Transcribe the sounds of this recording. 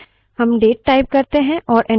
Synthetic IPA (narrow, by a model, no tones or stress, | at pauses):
hɐmɖeːʈ̚ːaːɪp̚kɐɾt̪eɦɛ̃ʔɔːɾʔɛ̃